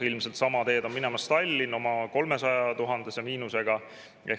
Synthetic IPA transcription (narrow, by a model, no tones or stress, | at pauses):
ilmselt̪sɑmɑt̪e̞ːd̪o̞nminemɑst̪ɑlʲːino̞mɑko̞lme̞sɑjɑt̪uɦɑnd̪̥esemiːnuse̞ɡ̥ɑ | e